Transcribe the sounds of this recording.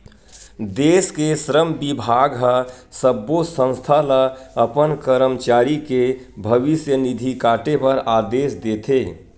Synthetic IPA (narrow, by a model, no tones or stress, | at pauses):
d̪eːskesɾəmbɪbʱaːɡɦə | səbːosə̃w̃st̪ʰaləɐpənkəɾəmt͡ʃaːɾike | bʱəʋɪsjənid̪ʱikaːʈepɐɾaːd̪eːʃd̪eːt̪ʰeː